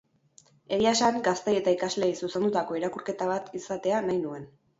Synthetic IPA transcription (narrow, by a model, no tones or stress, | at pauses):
e̞ɾiaesaŋɡast̪e̞je̞t̪aikazle̞isuse̞nd̪ut̪ako̞iɾakuɾke̞t̪aβat̪isat̪e̞anajnue̞n